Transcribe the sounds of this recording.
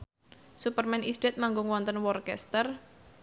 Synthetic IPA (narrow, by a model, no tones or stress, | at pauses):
supərmɛnisd̥ɛt̪̚maŋɡʊŋwɔnt̪ənwɔrkɛ̰st̪ər